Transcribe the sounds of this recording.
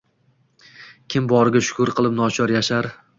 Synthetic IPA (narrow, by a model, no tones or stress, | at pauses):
kʲʰɪmbɒɾɪɡʲaʃʊ̥kʰʊɾqʰɨlˠɪp̚nɒt͡ʃʰɒɾjaʃaɾ